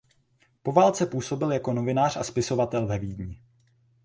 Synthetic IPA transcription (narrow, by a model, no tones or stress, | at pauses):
po̞vaːlt͡sɛpuːso̞bɪljako̞no̞vɪnaːr̝ʔa̰spɪso̞vat̪ɛlvɛviːdɲɪ